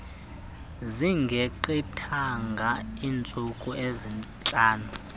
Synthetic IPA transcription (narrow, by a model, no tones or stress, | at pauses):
ziŋɡʱeǃitʰaŋɡʱaiːnt͡sʼukʼuezint͡ɬʼaːnu